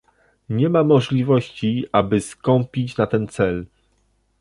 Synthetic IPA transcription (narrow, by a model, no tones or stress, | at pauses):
ɲɛmamɔʐlʲivɔɕt͡ɕiabɘskɔmpʲit͡ɕnat̪ɛnt̪sɛl